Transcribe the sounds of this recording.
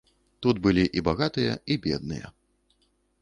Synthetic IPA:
t̪ud̪bɨlʲiʔibaɣat̪ɨjɐ̰ibʲɛd̪nɨjɐ̰

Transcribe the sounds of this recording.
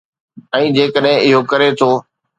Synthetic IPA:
ɛ̃ːd͡ʑeːkəɗɦɪ̃ɪɦokɐɾet̪ʰoː

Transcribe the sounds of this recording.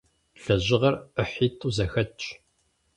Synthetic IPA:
ɬɐʑɪʁɐrəħiːtʰʼuːzɐxɐt͡ʃʼ

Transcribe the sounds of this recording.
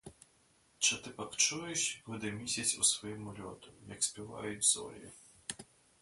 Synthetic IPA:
t͡ʃɪt̪ɪpɐkt͡ʃujɛʃʲɡʊd̪ɛmʲisʲɐt͡sʲṵsʋɔjimʊlʲɔ̰t̪ʊjɐksʲpʲiʋa̰jʊd͡zʲzɔ̰lʲi

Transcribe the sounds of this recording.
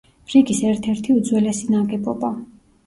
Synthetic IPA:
ɾiɡisɛɾt̪ʰɛɾt̪ʰiud̪zwɛlɛsinaɡɛbɔba

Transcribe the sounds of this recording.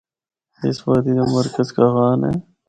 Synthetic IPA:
ɪ̰sbaːd̪iːnemɐɾkəzkaɣaːnḛː

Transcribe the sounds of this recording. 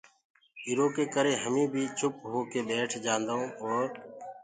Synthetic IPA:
iːɾoːkeːkəɾeːɦəmĩːbʱiːt͡ʃʰʊp̚ɦoːkeːbeːʈʰd͡ʒãːnd̪aõːoːɾ

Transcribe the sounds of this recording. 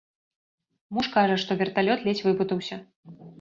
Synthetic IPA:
muʂkaʐɐʂt̪ɔvʲɛrt̪alʲɔt̪lʲɛt͡sʲvɨput̪ɐwsʲɐ

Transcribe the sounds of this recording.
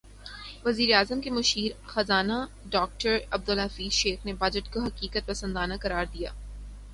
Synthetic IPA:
ʋɐziːɾeaːzəmkemɐʃiːɾxɐzaːna | ɖɔːk̚ʈəɾɐb̚d̪ʊlɦɐfiːzʃeːxnebaːd͡ʒəʈkoɦɐkiːkət̪̚pɐsə̃nd̪aːnakɐɾaːɾd̪ija̰ː

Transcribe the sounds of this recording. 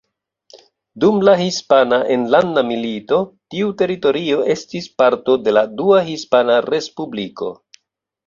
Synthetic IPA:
dumlahispanaʔe̞nlandamilito̞tiute̞ɾito̞ɾio̞e̞stispaɾto̞de̞laduahispanaɾe̞spubliko̞̰

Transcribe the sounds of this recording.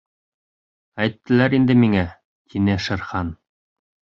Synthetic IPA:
æjt̪ːɘ̆læɾind̪ɘmiŋæ | t̪ʰinɘʃɘ̆ɾχɑn

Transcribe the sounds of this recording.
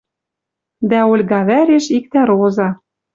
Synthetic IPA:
d̪æolʲɣɑβæɾeʃik̚t̪æɾozɑ

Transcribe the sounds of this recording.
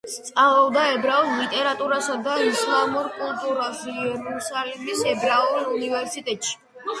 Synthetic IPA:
st̪sʼalˠɔbd̪aɛbɾauslit̪ʼɛɾat̪ʼuɾasad̪aislˠamuɾkʼulˠt̪ʼuɾasɛɾusalib̪isɛbɾaulunivɛɾsit̪ʼɛt̪ʼʃi̥

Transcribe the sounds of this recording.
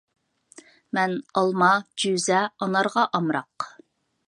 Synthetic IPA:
mɛnɑlˠmɑd͡ʒyzɛɑnɑɾʁɑʔɑmɾɑq

